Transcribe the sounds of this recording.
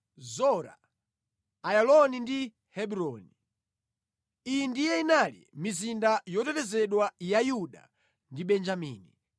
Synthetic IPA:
zɔɾa̰ | ajalɔnindi | hɛɓuɾɔni | ijindijɛinalḭmizindajɔtɛtɛzɛɗwajajuɗa̰ | ndiɓɛnd͡ʒamiːni

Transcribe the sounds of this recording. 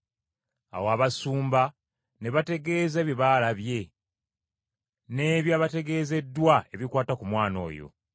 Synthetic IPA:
a̰woaβasuːmba | ne̞βate̞ɡe̞ːze̞ːβiβaːlaβje̞ | ne̞ːβjaβate̞ɡe̞ːze̞dːwae̞βikwaːtakumwaːno̞̰ːjo̞̰

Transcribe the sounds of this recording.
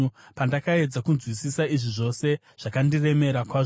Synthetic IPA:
pandakae̞d͡zakunzwisisaiʐiʐo̞se̞ | ʐ̥akandire̞me̞ɾakwaʐ

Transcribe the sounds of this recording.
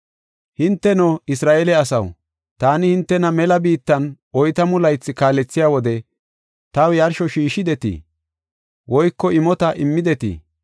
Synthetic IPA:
hɪnt̪ːɛnɔɪsɾaːʔelɛɐsɐ̰w | t̪aːnɪhɪnt̪ːɛnɐmɛlɐbiːt̪ːɐn | ɔjt̪ɐmʊlɐjt͡sːɪkaːlɛt͡sːɪjaːwɔd̪ɛ | t̪ɐwjɐɾʃɔʃiːʃɪd̪ɛt̪ḭː | wɔjkːɔɪmɔt̪ɐʔɪmːɪd̪ɛt̪ḭː

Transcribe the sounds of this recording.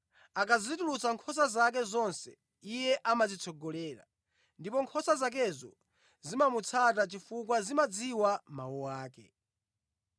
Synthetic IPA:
akazizitulut͡saŋkʰɔs̬azak̬ɛzɔnsɛ̰ | ijɛʔamad͡zit͡sʰɔɡɔlɛːɾa̰ | ndipɔŋkʰɔsazak̬ɛzɔ | zimamut͡sʰatat͡ʃifukwazimad͡ziwama̰wɔwaːkɛ̰

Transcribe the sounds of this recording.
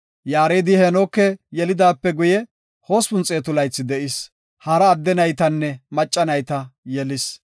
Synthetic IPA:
jaːɾeːd̪ɪhɛnokːɛjɛlɪd̪aːpːɛɡʊjɛ | ho̞ːspʊnt͡sʼeːt̪ʊlɐjt͡sːɪd̪ɛʔɪs | hɐɾɐːd̪ːɛnɐjt̪ɐnːɛmɐt͡ʃʼːɐnɐjt̪ɐjɛlɪs

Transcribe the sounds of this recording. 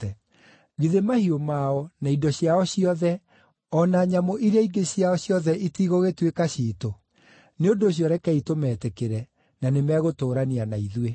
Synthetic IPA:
ɛ | ɣiðemahiomaɔnaidɔɕjaɔɕiɔðɛ | ɔnaɲamoʔiɾeaiɡeɕjaɔɕjɔðɛʔitiɣoɣetwekaɕiːto | neondoːɕ̬jɔɾɛkɛitomɛːtekeɾɛ | nanemɛɣotoːɾanianaiðwe

